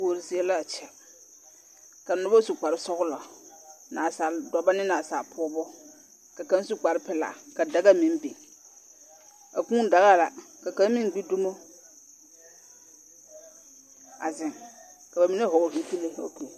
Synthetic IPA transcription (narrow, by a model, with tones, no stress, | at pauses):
o˨ɾi˨si˦e˦la˦˨t͡ʃɛ˨ | ka˨nʊ˦bo˦su˨k͡pa˨ɾɪ˦sɔ˦ɣʊ˦lɔ˨ | na˨sa˨ldɔ˨ba˦nɪ˦na˨saː˨pʰʊ˦bɔ˦ | ka˨ka˦n˦su˦k͡pa˨ɾɪ˦pɛ˦la̰˨ka˨da˦ɡa˦mĩ˦n˦be˨ | a˨kũː˦n˦da˨ɣa˦˨la̰˨ka˨ka˦m˦mĩ˦ŋ˦ɡ͡bi˦du˦mo˦ | a̰˨zɪ˨ŋ | ka˨ba˨mi˦ne˦ɦʊ˨ɡhi˦ki˦le˦o˦ku˨